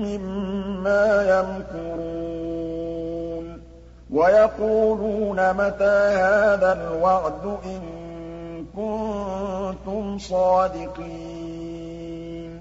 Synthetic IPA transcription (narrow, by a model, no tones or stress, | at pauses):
mɪmːaːjamkʊɾu | n | wajɑquːluːnamat̪aːhaːðalwɑʕd̪ʊʔɪŋ | kʊnnt̪ʊmsˤɑːd̪ɪqiː | n